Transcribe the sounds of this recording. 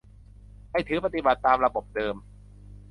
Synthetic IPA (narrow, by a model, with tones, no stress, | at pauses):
ha˥˩jt̪ʰɯː˩˦pa˧t̪i˨˩ba˨˩t̪ːaː˧mɾa˧bo˨˩p̚dɤː˧m